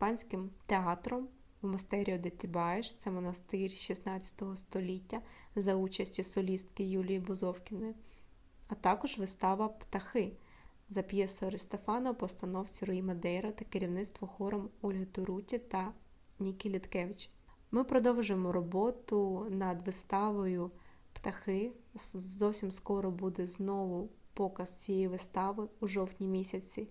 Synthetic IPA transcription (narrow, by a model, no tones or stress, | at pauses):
spɑnʲsʲkɪmt̪eɑt̪ɾɔm | mɐst̪ɛɾʲiɔd̪et̪ʲibɑjeʃt̪sɛmɔnɐst̪ɪrʲʃisnɑt͡sʲjɐ̥t̪ɔɦɔst̪ɔlʲitʲːɐzɐut͡ʃɐsʲtʲisɔlʲist̪kɪjulʲijibɔzɔwkʲɪnɔjʊ | ɐt̪ɑkɔʒʋɪst̪ɑʋɐpt̪ɐxɪ | zɐpjɛsɔɔɾɪst̪efɑnɐpɔst̪ɐnɔwt͡sʲiɾɔimɐd̪ɛɾɔt̪ɐkeɾʲiwnɪt̪st̪ʋɔxɔɾɔmɔlʲɦɔt̪ʊɾutʲit̪ɐ | nʲikʲilʲit̪kɛʋɪt͡ʃ | mɪpɾɔd̪ɔwʒʊjemɔɾɔbɔt̪ʊnɐd̪ʋɪst̪ɑʋɔjʊ | pt̪ɐxɪ | zɔwsʲimskɔɾɔbud̪ɛznɔʋʊpɔkɐst͡sʲijɛjiʋɪst̪ɑʋɪuʒɔwtʲnʲimʲisʲɐt͡sʲi